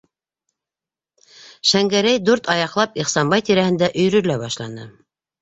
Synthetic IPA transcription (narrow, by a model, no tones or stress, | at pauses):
ʃæŋɡæɾæjd̪ʉɾt̪ɑjɑqlˠɑpiχsɑmbɑjt̪iɾæhɘ̆nd̪æʔɵ̆jɾɵ̆læβɑʃlˠɑnɤ